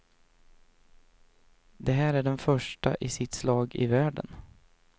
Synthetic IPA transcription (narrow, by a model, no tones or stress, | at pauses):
d̪ɛɦæːɾæɖɛnfœʂʈaʔɪsɪt̪slɑːɡɪ̰væːɖə̰n